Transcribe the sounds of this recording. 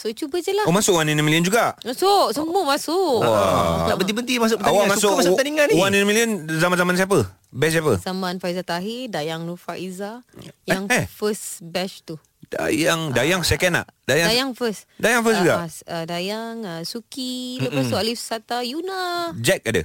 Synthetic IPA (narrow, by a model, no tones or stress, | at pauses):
sot͡ʃubəd͡ʒəlahmasʊʔwaninəmiliənd͡ʒuɡaʔmasʊʔsəmbumasʊʔa̰ʔbənt̪̬ibənt̪imas̬ʊkpət̪awamasʊat̪aniŋaniwaninəmiliənzamanzamans̬iap̬ə | bɛs̬iapəzamanfaizat̪aɦɪdajaŋlufaizajaŋɛfəsbɛʃt̪u | da̰jaŋdajaŋsɛkɛna̰ʔdajaajaŋfəsdajaŋfəsd͡ʒuɡa̰sədajaŋəsukidomasʊʔalifsat̪ajunad͡ʒɛk̚adə̰